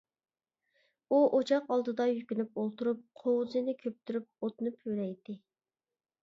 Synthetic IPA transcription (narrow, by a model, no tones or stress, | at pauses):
uʔot͡ʃʰɑqɑlˠd̪ɨd̪ɑjykʲynypolˠt̪uɾup̚qʰowzɨnɪkʲʰøp̚t̪ʰyɾyp̚ot̪nɨpʰølɛjd̪ɪ